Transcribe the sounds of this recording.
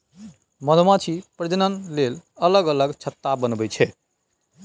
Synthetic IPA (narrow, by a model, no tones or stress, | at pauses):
məd̪ʱmat͡ʃʰipɾəd͡ʒənənlelələɡələɡt͡ʃʰət̪ːabənbɛt͡ʃʰɛ